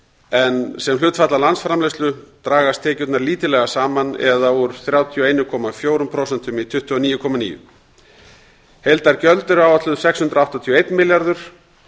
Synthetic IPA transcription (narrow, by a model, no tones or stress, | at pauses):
ɛnsɛmlʏːt̪fat̪lalansfɾamlest̪lʏt̪ɾaːɣast̪ʰɛːcʏt̪naɾliːt̪ɪlɛɣasaːmanɛ̰ðauɾ̥θɾjaːwt̪ʰiɔejnʏkʰɔmafjoːwɾʏmpʰɾowsɛnt̪ʏmit̪ʰʏht̪ːʏɔniːjʏkʰɔmanḭːjʏ̰ | hejlt̪aɾ̥cœlt̪ʏɾaːwat̪lʏðsɛkshʏnt̪ɾawht̪at̪ʰiɔejt̪nmɪljaɾðʏɾ̥